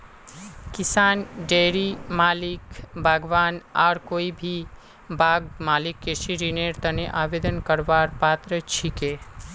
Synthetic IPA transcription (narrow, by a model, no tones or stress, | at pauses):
kɪsaːnɖeːɾimaːlɪkbʱaːɡʋaːnaːɾkoːibʱi | bʱaːɡmaːlɪkːeʃiɾineːɾt̪əneʔaːʋeːd̪ənkəɾʋaːɾpaːt̪ɾət͡ʃʰikeː